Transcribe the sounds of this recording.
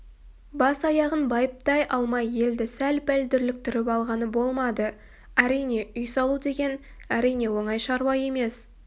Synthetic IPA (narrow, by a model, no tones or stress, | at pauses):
bɑsɑjɑʁənbɑjəp̚t̪ɑjʔɑlˠmɑje̞ld̪ɪsælpæld̪ʏɾlɪk̚t̪ɪɾɪpɑlˠʁɑnəbo̞lˠmɑd̪ə | æɾijne̞ʏjsɑlˠud̪e̞ɡʲe̞n | æɾijne̞wo̞ɴɑjʃɑɾwɑje̞me̞s